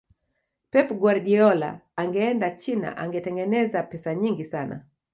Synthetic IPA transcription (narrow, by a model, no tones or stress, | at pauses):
pɛpɡwaɾdiɔla̰ːŋɡɛɛndat͡ʃina̰ʔaŋɡɛtɛŋɡɛnɛzapɛsaɲiŋɡisana̰